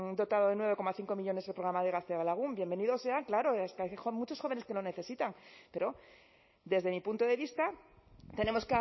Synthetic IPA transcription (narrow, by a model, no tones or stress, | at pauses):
ŋd̪o̞t̪aðoðenwe̞β̞e̞ko̞maθiŋko̞miʎo̞nesepɾoɾamaðe̞ɣaθealaɣ̞umbje̞mbe̞niðo̞se̞aŋklaɾo̞eskajxomut͡ʃo̞sxo̞βene̞ske̞lo̞ne̞θe̞sit̪aŋpe̞ɾo̞ | d̪e̞zðe̞mipunt̪oðe̞βist̪at̪e̞ne̞mo̞skea